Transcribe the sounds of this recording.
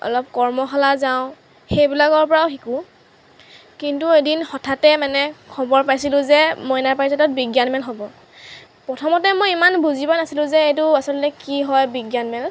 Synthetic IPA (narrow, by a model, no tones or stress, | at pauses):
ɔ̰lɔp̚kɔɹmɔxɔlazaʊ̃ | xejbilaɡɔɹpɔɹaʊxikʊ | kintuedinxɔtʰatɛmanɛkʰɔbɔɹpajsilʊ̃zɛmɔjnaɹpajsatɔt̚biɡjanmɛlɦobɔ | pɹɔtʰɔmɔtɛmojimanbuzibanasilʊ̃zɛejtʊasɔltɛkiɦɔjbiɡjanmɛl